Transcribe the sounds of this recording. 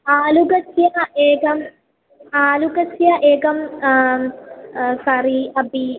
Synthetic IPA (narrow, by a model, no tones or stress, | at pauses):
aːluɡɐsjɐeːɡɐm | aːluɡɐsjɐʔeːɡɐm | sɐɾiɐbi